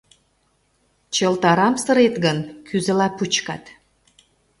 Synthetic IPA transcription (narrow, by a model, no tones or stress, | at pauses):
t͡ɕə̆lt̪ɑɾɑmsə̆ɾet̪ɣənkʰyzə̆lɑput͡ɕkɑ̰t̪